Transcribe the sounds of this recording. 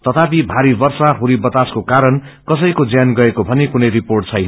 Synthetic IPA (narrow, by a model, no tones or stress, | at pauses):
t̪ʌt̪apibʱaɾibʌrsaɦuɾibʌt̪askokaɾʌnkʌsʌjkod͡zjanɡʌekobʱʌnekunʌjriporʈt͡sʰʌjnʌ